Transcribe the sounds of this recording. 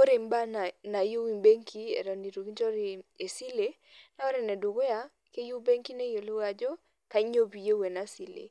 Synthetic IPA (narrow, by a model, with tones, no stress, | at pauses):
o˦ɾe˨mba˦n˨na˨jo˦wi˨be˦ŋkʰi˦ḛ˨ɾɔ˨ni˨ɾu˨ki˦d͡ʒɔ˦ɾi˨e˨si˦le˦ | na˦ɔ˦ɾɛ˨nɛ˨do˨ɡo˦ja˨ | ke˦ju˦be˦ŋki˦ne˦jo˨lo˦ɡa˨d͡ʒɔ˦ | ka˨˦ɲo˦bi˨je˦we˨na˦si˨lḛ˨